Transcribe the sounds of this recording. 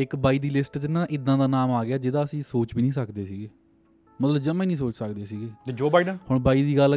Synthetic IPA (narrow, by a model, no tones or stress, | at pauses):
ɪkbaːiːd̪iːlɪsʈt̪ɪnãːʔɪd̪ãːd̪aːnaːmaːɡɪjaːd͡ʒɪd̪aːəsĩːsoːt͡ʃbiːnĩːsəkd̪eːsiːɡeː | mət̪ləbd͡ʒəmẽːnĩːsoːt͡ʃsəkd̪eːsiːɡeːed͡ʒoːbaːiɖənhʊɳbaːiːd̪iːɡəl